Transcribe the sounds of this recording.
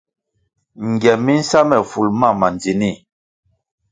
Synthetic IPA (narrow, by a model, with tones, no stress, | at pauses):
ŋ˨ɡjɛ˨mi˦n̩˦sa˦mɛ˨fu˨lma˦˨ma˨nd͡zi˨ni˦˨